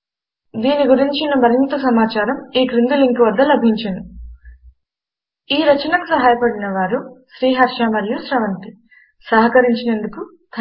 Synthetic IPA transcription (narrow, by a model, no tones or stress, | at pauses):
d̪iːniɡuɾiɲt͡ʃinɐmɐɾint̪ɐsɐmaːt͡ʃaːɾɐmiːkɾind̪uliŋkuʋɐd̪ːɐlɐbʱiɲt͡ʃɐnu | iːɾɐt͡ʃɐnɐkusɐɦaːjɐpɐɽinɐʋaːɾuʃɾiːɦɐɾʃamɐɾjuʃɾɐʋɐnt̪i | sɐɦɐkɐɾiɲt͡ʃinend̪uku | t̪ʰ